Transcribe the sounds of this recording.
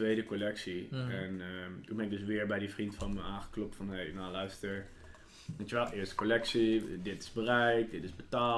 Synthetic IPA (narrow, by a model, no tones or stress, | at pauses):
ʋejdəkolɛksiɛntunbɛnɪɡ̚døs̬ʋɪəɹbɛjdifrintfɔnməaːnxə̥klop̚tfɔnhejnalœɥstəɹ | ʋejəʋɛlˠʔɪəstə̥kolɛksidɪtɪ̥zbərɛjt̚dɪtɪzbətaː